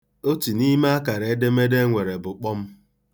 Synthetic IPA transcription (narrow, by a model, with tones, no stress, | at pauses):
o˦ti˨ni˦ma˦a˦ka˨ɾe˨e˦de˦me˦de˦ŋʷe˨ɾe˨bʊ˨k͡pɔ˦m̩˦